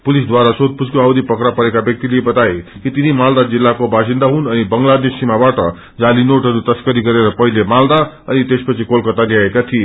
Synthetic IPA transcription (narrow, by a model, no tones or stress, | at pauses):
pulisd̪waɾasod̪̚pud͡zkoawd̪ipʌkɾapʌɾekabjʌk̚t̪ilebʌt̪ajekit̪inimald̪ad͡zilːakobʱasind̪aɦunʌnibʌŋɡlad̪nisimabaʈʌ̰ | d͡zalinoʈɦʌɾut̪ʌskʌɾiɡʌɾeɾʌpʌɦilemald̪a | ʌnit̪espʌt͡sʰikolkʌt̪aliaekat̪ʰie